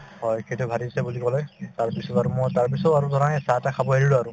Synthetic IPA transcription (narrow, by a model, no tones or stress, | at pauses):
hɔjkʰetubʱadisɛbulikɔlɛtaɹpisɔaɹumɔjtaɹpisɔaɹudʱɔɹanɛsatakʰabɔɦeɹiluaɹʊ